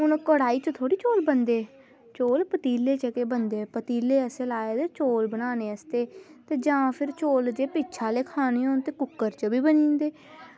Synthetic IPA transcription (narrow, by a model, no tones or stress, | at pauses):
ʊnkəɽaːiːt͡ʃət̪ʰoːɽiːt͡ʃoːlbənd̪eː | t͡ʃoːlpət̪iːleːt͡ʃəkeːbənd̪eːpət̪iːleːəseːlaːeːd̪eːt͡ʃoːlbənaːneːəst̪eːt̪eːd͡ʒãːpʰɪɾt͡ʃoːld͡ʒeːpiːt͡ʃʰaːleːkʰaːniːõːnt̪eːkʊkːəɾt͡ʃəbiːbənĩːnd̪eː